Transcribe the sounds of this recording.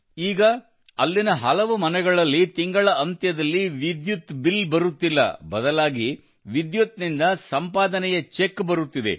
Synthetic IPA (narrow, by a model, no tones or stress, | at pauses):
iːɡɐ | ɐlːinɐɦɐlɐʋumɐnɛɡɐɭɐlːit̪iŋɡɐɭɐʔɐnt̪jɐd̪ɐlːiʋid̪jut̪bilbɐɾut̪ːilːɐ̰bɐd̪ɐlaːɡi | ʋid̪jut̪̚nind̪ɐsɐmpaːd̪ɐnɛjɐt͡ʃekːbɐɾut̪ːid̪e̞̰